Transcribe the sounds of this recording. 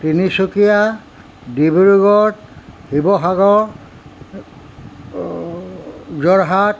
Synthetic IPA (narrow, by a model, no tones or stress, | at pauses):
tinisukija | dibuɹuɡɔthibɔɦaɡɔ | zɔɹɦat